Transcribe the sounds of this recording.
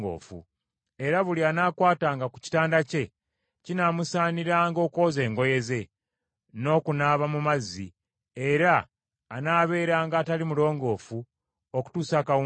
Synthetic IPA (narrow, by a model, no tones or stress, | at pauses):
ɡo̰ːfṵ | e̞ɾaβulianaːkwaːtaːŋɡaku̥ci̥taːndace̞ | cinamusaːniɾaːŋɡo̞ːko̞ːze̞ːŋɡo̞je̞ze̞ | no̞ːkunaːβamumazːḭ | eɾaː | naːβe̞ːɾaːŋɡaːtalimulo̞ːŋɡo̞ːfu | oku̥tuːsaːkawu